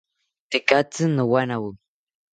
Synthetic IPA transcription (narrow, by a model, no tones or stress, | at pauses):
t̪ɪkat͡sɨnəwanawə